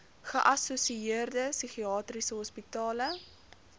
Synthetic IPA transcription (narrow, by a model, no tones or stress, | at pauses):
χəʔɐsusiiərdəsiχiɑːtrisəɦɔspitɑːlə